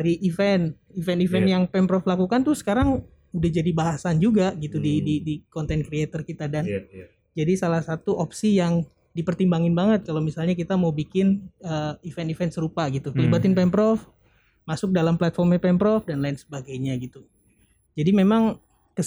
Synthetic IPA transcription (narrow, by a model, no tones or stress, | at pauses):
aɾiʔifɛn | ivɛnifɛnjaŋpɛmpɾɔflakukant̪ʊsə̥kaɾaŋ | udahd͡ʒadibaɦasand͡ʒuɡaɡit̪udididikɔnt̪ɛnkɾiat̪ərkit̪adan | d͡ʒadisalahsat̪uʔopsijaŋ | dipərt̪imbaŋɪnbaŋət̪̚kalowmisalɲakit̪amaubikɪnəifɛnifɛnsəɾupaɡit̪ukəlibat̪ɪnpɛmpɾɔf | masʊk̚dalamplat̪̚fɔrmɲapɛmpɾɔfdanlaɪnsə̥baɡajɲaɡit̪u | d͡ʒadimemaŋ | kə